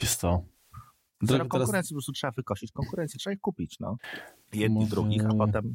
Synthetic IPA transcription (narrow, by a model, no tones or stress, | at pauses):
ɛst̪ɔ | d̪ɾɔɡtkɔŋɾakuɾɛnt̪sʲjipɔpɾɔst̪utʂɛbavɘkɔɕit͡ɕkɔŋkuɾɛnt̪sʲitʂɛbaixkupʲit͡ɕnɔ̰ | vjɛd̪nid̪ɾuɡʲixapɔt̪ɛm